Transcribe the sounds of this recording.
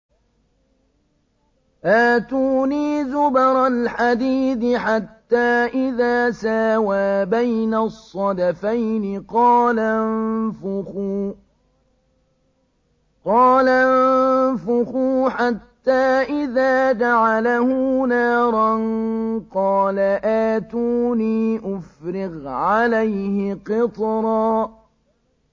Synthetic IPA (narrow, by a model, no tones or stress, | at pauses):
ʔaːt̪uːniːzʊbɑɾˤɑlħad̪iːθɪħat̪ːaːʔɪðaːsaːwaːbajnasˤːɑd̪afajnɪqɑːlanfʊxuː | qɑːlanfʊxuːħat̪ːaːʔɪðaːd͡ʒ̪aʕalahuːnaːɾˤɑnqɑːlaʔaːt̪uːniːʔʊfɾɪɣʕalajhɪqɪt̪ˤɾˤɑː